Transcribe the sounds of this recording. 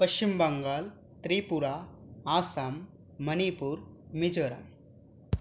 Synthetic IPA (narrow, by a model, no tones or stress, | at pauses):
pɐʃt͡ʃimbɐŋɡaːl | t̪ɾiːpuɾaː | saːmː | ɐnipuːɾmid͡ʒɐɾɐ̰m